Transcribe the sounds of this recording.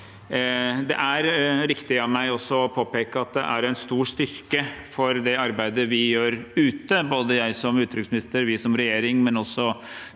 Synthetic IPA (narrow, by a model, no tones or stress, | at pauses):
d̪ɛ̰ʔæɾɾɪkt̪ɪɑʋmæɪɔsːɔɔpʰoːpeːkəɑt̪̚d̪ɛ̰ʔæɾæɪnst̪uːʂt̪ʏɾkəfɔɾd̪ɛɑɾbæɪd̪əʋɪjøːɾʉːt̪əboːd̪əjæɪsɔmʉːt̪ːɾʏksmɪnɪst̪əɾʋɪsɔmɾɛjeːɾɪŋmɛnɔsːɔ